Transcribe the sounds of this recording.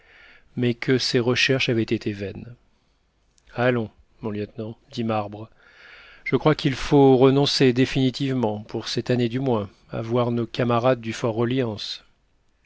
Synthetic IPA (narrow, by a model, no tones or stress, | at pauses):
mɛkʰəseʁəʃɛʁʃavɛt̪et̪ʰevɛn | alɔ̃ | mɔ̃ljɛt̪nɑ̃d̪imaʁbʁ | ʒ̥əkχwakʲilfoʁənɔ̃sed̪efinit̪ivmɑ̃pʰuʁsɛt̪aned̪ymwɛ̃ | a̰vwaʁnokamaʁad̪ːyfɔʁːəljɑ̃s